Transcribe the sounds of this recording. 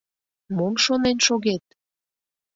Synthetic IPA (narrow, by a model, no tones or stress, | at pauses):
momʃonenʃoɣet̪̚